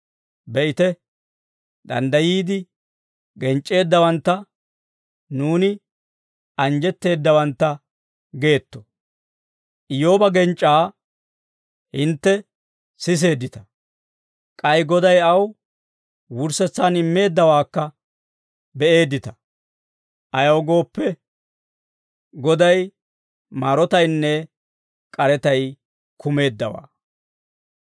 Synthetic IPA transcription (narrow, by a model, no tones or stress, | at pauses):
bɛʔɪt̪ɛ | d̪ɐ̰nd̪ɐjiːd̪ɪ | ɡɛnt͡ʃʼːe̞ːd̪ːɐwɐnt̪ːɐ | nuːnɪ | ʔɐnd͡ʒɛt̪ːe̞ːd̪ːɐwɐnt̪ːɐ | ɡe̞ːt̪ːɔ̥ | ʔɪjo̞ːbɐɡɛnt͡ʃʼːaː | hɪnt̪ːɛ | sɪs̬e̞ːd̪ːɪt̪ɐ̥ | kʼɐjɡɔd̪ɐjɐw | wʊɾsɛt͡sːaːnɪmːe̞ːd̪ːɐwaːkːɐ | bɛʔe̞ːd̪ːɪt̪ɐ | ʔɐjɐwɡo̞ːpːɛ | ɡɔd̪ɐj | maːɾɔt̪ɐjnːɛ | kʼɐɾɛt̪ɐj | kʰʊme̞ːd̪ːɐwa̰ː